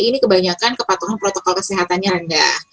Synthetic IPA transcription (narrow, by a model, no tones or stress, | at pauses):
inikəbaɲakankəpat̪uɦanpɾot̪okɔlkəsiɦat̪anɲaɾəndah